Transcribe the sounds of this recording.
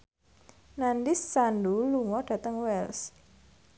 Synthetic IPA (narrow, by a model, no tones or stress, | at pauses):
nandisːanduluŋɔɖ̥ä̤t̪əŋwɛls